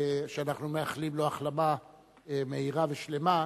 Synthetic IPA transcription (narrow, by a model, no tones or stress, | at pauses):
ʃeanaχnumeaχlimloaχlama | eme̞iʁaveʃle̞ma